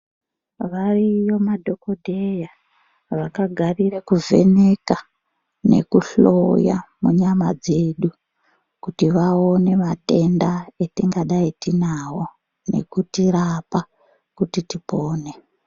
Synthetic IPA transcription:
ʋarijo̞madʱo̞ko̞dʱeja | ʋakaɡʱarirekuve̞̰ne̞ka | ne̞̰kuɬoja̰muɲama̰d͡ze̞ɗu | kutiʋaone̞mate̞ndaetiŋɡaɗajitinawo̞ | ne̞̰kutirapa | kutitipoːne

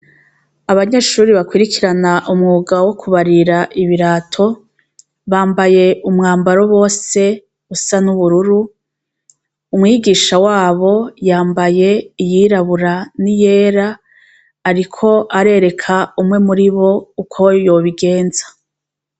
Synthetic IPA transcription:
aβaɲe̞ːʃuːɾiβakwiɾikiɾanaʔumŋuːɡawo̞kuβaɾiɾaʔiβiɾaːtʰo̞ | βaːmbaje̞ʔumŋaːmbaɾo̞βo̞ːse̞ | usanuβuɾuɾu | mŋiːɡiːʃawaːβo̞jaːmbaje̞ijiɾaβuɾanije̞ːɾaː | ɾikʰo̞ʔaɾe̞ɾe̞kʰaumŋe̞muɾiβo̞ukʰojo̞ːβiɡe̞ːnzḁ

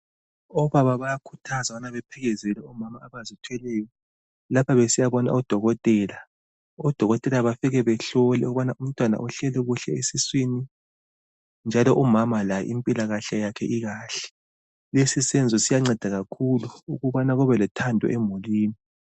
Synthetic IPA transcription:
ɔβaβaβajakʰutʰazaanaβɛpʰɛɣɛzɛlɛumamaːβazitʰwɛlɛjɔ | lapʰaβesijaβɔna̰ɔd̥ʱɔɣɔtʼɛːla | ɔd̥ʱɔɣɔtʼɛlaβafiɣɛβɛɬɔlɛuɣuβanaʔum̩tʼwana̰ʔɔɬɛlɛɣuɬɛesiswini | nd͡ʒʱalɔʔumamalajɛ̰ʔimpʼilaɣaɬajakʰɛ̰ʔiɣaːɬɛ̥ | lesisɛnd͡zʱɔsijaŋ͡ǀɛd̥ʱaɣakʰuluuɣuβanaɣuβɛlɛtʰandʱɔ̰ʔemuliːni

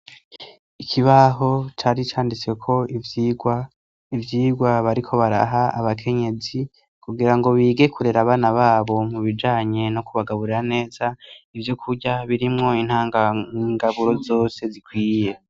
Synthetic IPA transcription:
ikʰiβaɦo̞t͡ʃaɾit͡ʃaːndit͡swe̞kʰo̞iviɡwa | ivjiːɡwaβaɾikʰo̞βaɾa̰ɦaaβakʰe̞ɲe̞zi | kʰuɡiɾaŋɡo̞βiːɡe̞kʰuɾeɾaβaːnaβaːβo̞muβid͡ʒaːɲe̞no̞kuβaɡaβuɾiɾane̞ːz̥aivjo̞kʰuɟaβiɾimŋo̞in̥haːŋaŋɡaβuɾo̞zo̞ːse̞zikwiːje̞

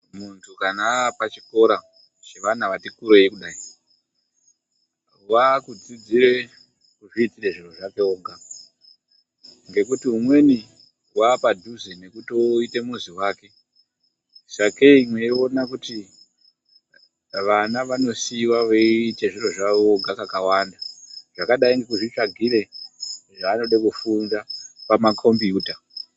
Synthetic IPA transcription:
muntʰukanapat͡ʃiko̞ɾa | t͡ʃeʋan̤aʋatikuɾe̞ikuɗaːi | wakud͡zid͡ziɾe̞ | kuʐiːtireʐiroʐake̞oːɡa | ŋɡe̞kutiɦumwe̞ni | waːpadʱuzine̞kutoite̞muziwaːke̞ | sakeimwe̞joːnakuti | ʋanaʋano̞siwaʋeiteʐiro̞ʐaooɡʱakakawandaʐ̥akaɗaiŋɡe̞kuʐit͡ʃaɡʱiɾe̞ʐaːno̞ɗekufunzapamakʰo̞mbijuːta

